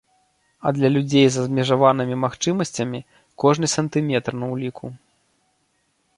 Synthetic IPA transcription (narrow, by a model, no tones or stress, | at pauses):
ɐ̰d̪lʲɐlʲud͡zʲejzɐzbmʲɛʐavan̪ɨmʲimaxt͡ʂɨmɐsʲt͡sʲɐmʲi | kɔʐnɨsɐnt̪ɨmʲɛt̪rnɐwlʲikʰu